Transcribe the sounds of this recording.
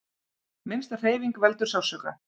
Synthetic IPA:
mɪnst̪ar̥eːjviŋkvɛlt̪ʏɾ̥sawsœːka̰

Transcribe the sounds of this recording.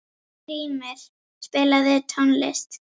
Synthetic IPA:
ɾiːmɪɾ̥ | spɪːlaðɪt̪ʰɔnlɪ̰st̪

